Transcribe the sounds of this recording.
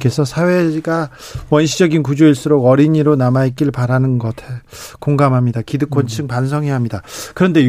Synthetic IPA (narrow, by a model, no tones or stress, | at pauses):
kʰe̞sʰʌsʰawe̞ɡawʌnɕʰid͡ʑʌɡinkud͡ʑoiɭs͈uɾoɡʌɾiɲiɾonamaik͈iɭpaɾanɯnɡʌtʰe | koŋɡamɦamɲidakidɯk͈ʰwont͡ɕʰɯŋpans̬ʰʌŋɦeɦamɲidakɯɾʌnde̞